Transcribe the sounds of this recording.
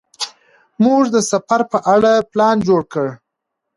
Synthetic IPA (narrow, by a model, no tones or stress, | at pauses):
muʐd̪əsafaɾpəʔaɽaplɑnd͡ʒoɽkəɽ